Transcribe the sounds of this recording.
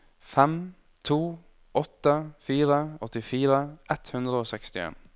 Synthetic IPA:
fɛm | t̪ʰuː | ʔɔt̪ːəfiːɾəɔt̪ːɪfiːɾəʔɛt̪hʉnd̪ɾəoːsɛkst̪ɪḛːn

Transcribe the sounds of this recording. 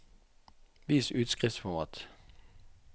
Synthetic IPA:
ʋiːsʉːt̪skʁɛtsfɔmɑ̰ːt̪

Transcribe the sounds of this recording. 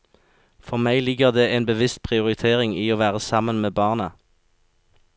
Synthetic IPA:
fɔʁmæɪlɪɡəʁd̪eːʔeːnbəʋɪst̪̚pʰʁɪʊʁɪt̪ʰeːʁɪŋiːoːʋæːʁəsɑmənmeːbɑːʁnə

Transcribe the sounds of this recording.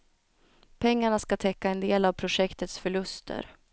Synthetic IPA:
pʰɛŋːaɳaskat̪ʰɛkːaɛnd̪eːlavpʰɾʊʂɛkt̪ət̪sfœɭɵst̪ʰə̰ɾ

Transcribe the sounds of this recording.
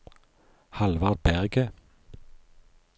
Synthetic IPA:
hɑlʋɑʁd̪̚bæʁɡə

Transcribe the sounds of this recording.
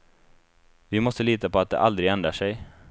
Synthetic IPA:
vɪmɔst̪əliːt̪apɔat̪̚d̪ɛ̰ʔald̪ɾɪɡɛnd̪ɾaʂɛj

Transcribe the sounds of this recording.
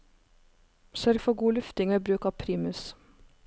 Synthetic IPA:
sœɾɡfɔɡuːlʉft̪ɪŋəbɾʉːkɑːpʰɾiːmʉs

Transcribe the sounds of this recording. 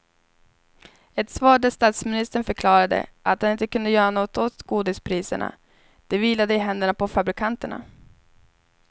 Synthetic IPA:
ɛt̪svɑːɖəst̪ɑːt̪smɪnɪst̪əɳfœɾkʰlɑːɾad̪ə̰ʔat̪̚d̪anɪnt̪əkɵnd̪əjœːɾanɔt̪ːot̪ɡ̥uːd̪ɪspʰɾiːsə̰ɳa̰ | d̪̥ɛviːlad̪əɪɦɛnd̪əɳapɔfabɾɪkʰant̪əɳa̰

